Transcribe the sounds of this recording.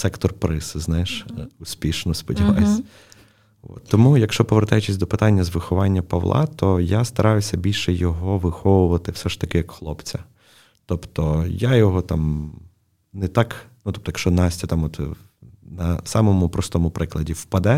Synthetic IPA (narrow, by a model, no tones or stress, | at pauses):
sɛkt̪ɔrpɾɪsɪznɑjɪʃʊsʲpʲiʃnɔspɔdʲiʋɑsʲɐ | ɔ̰t̪ːɔmujɐkʃt͡ʃɔpɔʋert̪ɑjɛt͡ʃɪsʲd̪ɔpɪt̪ɑnʲːɐzʋɪxɔʋɑnʲːɐpɐʋlˠɑ̰t̪ʰɔjast̪ɐɾʔɑjʊsʲɐbʲilʲʃɛjɔɦɔʋɪxɔʋʊʋɐt̪ɪwsɛʃt̪ɐkɪjɐkxlˠɔpt͡sʲɐ | t̪ɔpt̪ɔjajɔɦɔt̪ɑm | nɛt̪ɑknut̪ɔp̚t̪ɔjɐkʃt͡ʃɔnɑsʲtʲɐt̪ɑmɔt̪ | nɐsɑmɔmʊpɾɔst̪ɔmʊpɾɪklˠɐdʲiwpɐd̪ɛ